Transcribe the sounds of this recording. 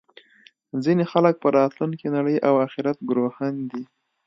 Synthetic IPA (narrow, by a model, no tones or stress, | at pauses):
zinexalək̚pəɾɑt̪lunkenaɽəjʔawaxɪɾat̪̚ɡɾohand̪i